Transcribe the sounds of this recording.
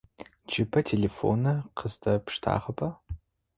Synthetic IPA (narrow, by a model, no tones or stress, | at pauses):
d͡ʒɪpʰɐtʰelefo̰nɐqəzdʰɐpʂtʰa̰ːʁɐbʰɐ